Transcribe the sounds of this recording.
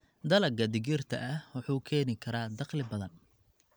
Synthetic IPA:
d̪ɐlɐɡɐd̪ɪɡɪrt̪ʰɐ̰ʔɐwɑħuːkʰɛːnɪkʰɐɾaːd̪ɑqlɪbɐðɐn

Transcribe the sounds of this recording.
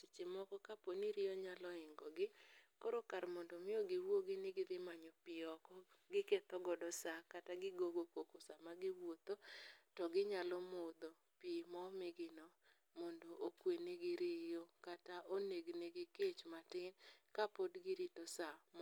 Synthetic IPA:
t͡ʃt͡ʃɪmɔkɔkaponiɾɪɔɲalɔɪŋɡɔɡɪkoɾokaɾmɔndɔmɪoɡɪwoɡɪnɪɡɪdɪmaɲopɪɔkɔɡɪket̪ɔɡɔdɔsakataɡɪɡoɡokokosamaɡɪwot̪otɔɡɪɲalɔmʊd̪o | pimɔmɪɡɪnɔ | mɔndoʔokweneɡɪɾɪjokataʔoneɡneɡɪket͡ʃmatɪnkapodɡɪɾitɔsam

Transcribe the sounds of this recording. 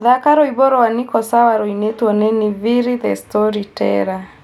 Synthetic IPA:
ðakaɾoiβɔɾɔwanɪkɔsawaɾoinetwɔnenɪβiɾiðɛstɔɾitɛ̰ɾa

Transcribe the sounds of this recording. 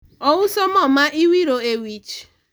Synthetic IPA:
ɔwʊsɔmɔmaiwiɾoewit͡ʃ

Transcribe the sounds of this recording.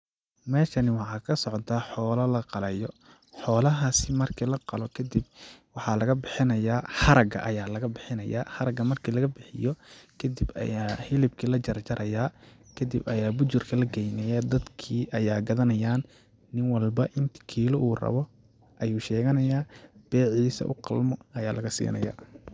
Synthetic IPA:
mɛːʃɐnɪwɑħɑːkʰɐsɔʕɔt̪ʰɐħɔːlɐlɐqɑlɛjɔ | ħɔːlɐɦɐsɪmɐrkʰiːlɐqɑlɔkʰɐd̪ib̚wɑħɑlɐɣɐbɪħɪnɐjaːħɑɾɐɡɐ̰ʔɐjaːlɐɣɐbɪħɪnɐja̰ːħɑɾɐɡɐmɐrkʰiːlɐɣɐbɪħɪjɔkʰɐd̪ibɐ̰jaːhɪlɪbkʰilɐt͡ʃɐrt͡ʃɐɾʔɐjaː | kʰɐd̪ibɐjaːbʊt͡ʃʊrkʰɐlɐɡɛjnɛjɐd̪ɐd̪kʰiːʔɐjaːɡɐðɐnɐjaːnː | ɪnwɐlbɐʔɪnt̪ʰɪ̥kʰiːlɔʔuːrɐ̰βɔ | ʔɐjuːʃɛːɣɐnɐjaːb̥ɛːʕiːsɐ̰ʔʊ̰qɑ̰lmɔɐjaːlʔɐɣɐsḭːnɐ̰ja̰ː

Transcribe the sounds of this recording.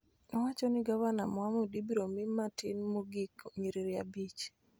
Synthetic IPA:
nɔwat͡ʃɔnɪɡawanamwamudibiɾomimatɪnmuɡikɲiɾeɾiabit͡ʃ

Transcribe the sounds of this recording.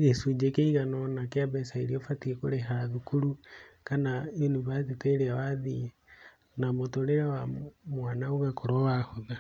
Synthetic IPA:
ɣesud͡ʒekeiɣanɔnakeaβɛsaiɾiofatiekoɾeɦaðukuɾukanaenuβaðiteɾeawaði | namotoɾeɾawamwaːnauɣakoɾowahoða

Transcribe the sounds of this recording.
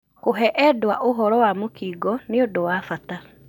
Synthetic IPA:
koɦɛʔɛdwa̰ʔoɦɔɾɔwamokiːɡɔneodowafata

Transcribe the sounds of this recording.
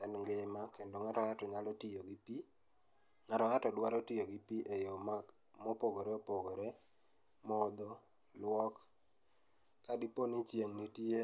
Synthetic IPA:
ɛnŋɡɪmakendoŋaɾɔatɔɲalɔtijoɡipi | ŋaɾɔatɔdwaɾɔtijoɡipiʔejoma | mopoɡoɾeopoɡoɾe | mɔd̪o | lwɔk | adiponit͡ʃjeŋnitje

